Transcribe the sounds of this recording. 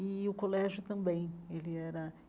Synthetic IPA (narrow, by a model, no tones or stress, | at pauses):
ɪʊkolɛʒjʊt̪ɐ̃bẽj̃elɪɛɾɐ